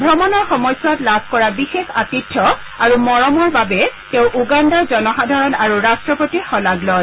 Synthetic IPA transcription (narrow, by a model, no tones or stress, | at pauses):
bʱɹɔmɔnɔɹxɔmɔjsatlabʱkɔɹabixexa̰titʰːɔ | aɹumɔɹɔmɔɹbabɛteʊ̃ʔuɡandazɔnɔxadʱaɹɔnaɹuɹastɹɔpotixɔlaɡlɔj